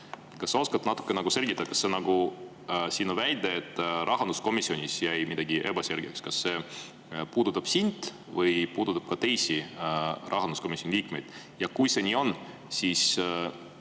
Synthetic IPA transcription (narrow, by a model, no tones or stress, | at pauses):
kɑsːo̞skɑt̪nɑt̪ːˑu̥kˑːenɑɡ̥use̞lɡ̥it̪ːˑɑkɑsːe̞nɑɡ̥u | siːnovæjd̪eet̪ːˑrʔɑɦɑnd̪usko̞misːio̞nʲisjæjmid̪̥ɑɡiʔe̞b̥ɑselɡ̥jḛkskɑsːe̞ | puːd̪̥ut̪ːˑɑb̥sind̪̥ | vɤjpuːd̪̥ut̪ːˑɑb̥̚kɑt̪e̞jsi | rʔɑhɦɑnd̪uskomisʲjonʲiliːkme̞jd̪̥ | jɑkujse̞nʲiːo̞n | siːs